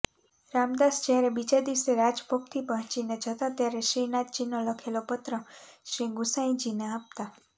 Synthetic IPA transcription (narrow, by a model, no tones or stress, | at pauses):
ɾamd̪asd͡ʒaɾebid͡ʒad̪iwseɾad͡ʒbʱok̚t̪ʰipəɦə̃t͡ʃined͡ʒʱət̪at̪jaɾeʃɾinat̪̚d͡ʒinoləkʰelopət̪ɾəʃɾiɡusãĩd͡ʒineap̚t̪a